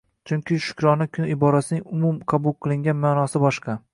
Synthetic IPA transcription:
t͡ʃʰʊŋʲkʲɪʃʊ̥kʲʰɾɒnakʲʰʊnɪbɒɾasɪnɪŋʊmʊmqʰɑbʊlˠqʰɨlˠɪŋɡʲanmaːnɒsɪbɒʃqʰɑ

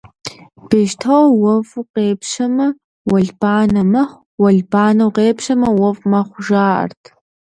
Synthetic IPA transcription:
b̥eːʃtʰɐwwɔvqeːpʃɐmɐ | wɔɮb̥aːnɐmɐχ | wɔɮbaːnɐwqeːpʃɐmɐwɔvmɐχʷʊʒaːʔɐ̰rtʰ

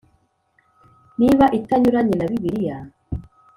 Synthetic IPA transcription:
niβaʔitaɲuɾaɲenaβiβiɾija

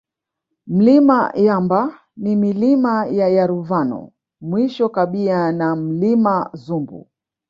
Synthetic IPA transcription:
m̩lima̰jamba | nimilimajajaɾuvanɔ̰ | mwiʃɔkaɓianam̩limazumbṵ

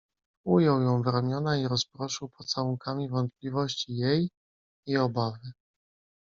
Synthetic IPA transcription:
ujɔwjɔ̃w̃vɾamʲjɔnaiɾɔspɾɔʂɘwpɔt̪sawuŋkʰamʲivɔnt̪̚plʲivɔɕt͡ɕijej | iɔbavɘ

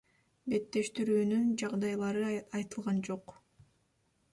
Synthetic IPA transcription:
be̞t̪ːe̞ʃt̪iɾyːnynd͡ʒɑʁd̪ɑjlˠɑɾɯɑjt̪ɯlˠʁɑnd͡ʒo̞q

